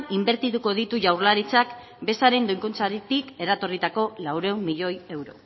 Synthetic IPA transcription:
imbe̞ɾt̪it̪uko̞ð̞it̪uʝawɾlaɾit͡sak | be̞saɾe̞nd̪ojŋkunt͡saɾit̪ike̞ɾat̪o̞rit̪ako̞lawɾe̞ummːiʎo̞je̞wɾo̞̰

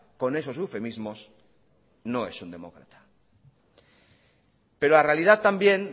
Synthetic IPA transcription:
ko̞ne̞so̞sufe̞mizmo̞s | no̞e̞sund̪e̞mo̞̰kɾa̰t̪ḁ | pe̞ɾolarealið̞aðt̪ambje̞n

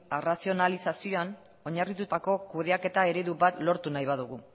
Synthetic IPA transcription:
erasio̞nalisasio̞an | o̞ɲarit̪ut̪ako̞kuð̞e̞ake̞t̪ae̞ɾeðuβat̪lo̞ɾt̪unajβaðuɣu

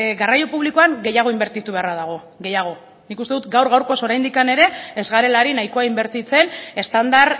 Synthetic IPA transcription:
ɡarajo̞puβ̞liko̞aŋɡe̞jaɣ̞o̞imbe̞ɾt̪it̪uβe̞arað̞aɣ̞o̞ | ɣe̞jaɣ̞o̞ | nikust̪eut̪ɡawɾɣawɾko̞so̞ɾajnd̪ikane̞ɾe̞ezɣaɾe̞laɾinajko̞aimbe̞ɾt̪it͡se̞ne̞st̪and̪aɾ

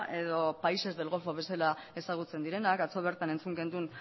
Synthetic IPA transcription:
e̞ðo̞paise̞zðe̞lɣo̞foβe̞selae̞saɣ̞ut͡se̞nd̪iɾe̞nakat͡so̞β̞e̞ɾt̪ane̞nt͡suŋɡe̞nd̪un

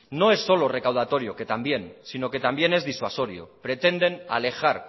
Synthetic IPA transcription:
no̞e̞sːo̞lo̞re̞kawð̞at̪o̞ɾjo̞ke̞t̪ambje̞nsino̞ke̞t̪ambje̞ne̞zðiswaso̞ɾjo̰pɾe̞t̪e̞nd̪e̞na̰le̞xaɾ

